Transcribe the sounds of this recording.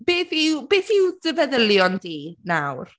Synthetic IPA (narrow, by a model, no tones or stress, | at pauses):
b̥eːθiwbeːθiwdəvɛðəlˠjɔndiːnawr